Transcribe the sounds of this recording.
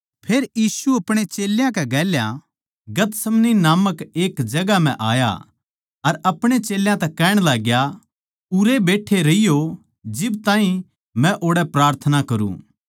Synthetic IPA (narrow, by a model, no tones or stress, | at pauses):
pʰeːɾjiːsuɐpɽ̃et͡ʃeːljãkɛɡɛːlja̰ | ɡɐt̪sɐmninaːməkeːkd͡ʒɐɡam̤ɛ̰̃ʔa̰ːja̰ | ɐɾɐpɽ̃et͡ʃeːljãt̪ɛkɛːɽ̃laːɡja | uɾebeːʈʰːeɾɐijo | d͡ʒɪbt̪ãːĩ | mɛ̃ʔoːɽɛpɾaːɾt̪ʰənakɐɾṵ̃ː